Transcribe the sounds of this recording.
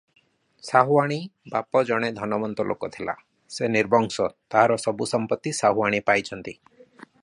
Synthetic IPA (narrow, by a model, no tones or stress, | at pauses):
saɦuaɽ̃ibapɔd͡ʒɔɽ̃ed̪ʱɔnɔmɔnt̪ɔlʔo̰kɔt̪ʰilʔa̰ | seniɾbʱɔŋsɔt̪aɦaɾɔsɔbusɔmpɔt̪ːisaɦuaɽ̃ipajt͡ʃʰɔnt̪i